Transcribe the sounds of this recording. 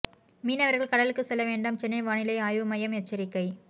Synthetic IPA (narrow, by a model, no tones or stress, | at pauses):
miːnɐʋɐɾɣɐɭkɐɽɐlɯkːɯsɛlːɐʋeːɳɖɐmt͡ʃɛnːɐɪʋaːɳɪlɐɪaːjʋɯmɐjɐmɛt͡ʃːɐɾɪkːɐɪ